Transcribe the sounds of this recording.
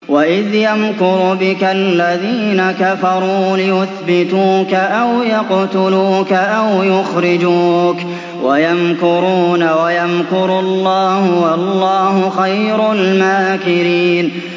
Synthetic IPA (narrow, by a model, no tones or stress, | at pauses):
waʔɪðjamkʊɾʊbɪkalːaðiːnakafɑɾˤuːlɪjʊθbɪt̪uːkaʔawjɑqt̪ʊluːkaʔawjʊxɾɪd͡ʒuːk | wajamkʊɾuːnawajamkʊɾʊlːɑːhʊwɑlːɑːhʊxajɾalmaːkɪɾiːn